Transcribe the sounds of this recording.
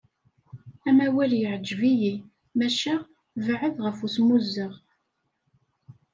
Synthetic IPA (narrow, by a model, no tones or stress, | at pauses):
æmæwæljəʕəd͡ʒviji | mæʃæ | vʕəðʁəfusmuzːəʁ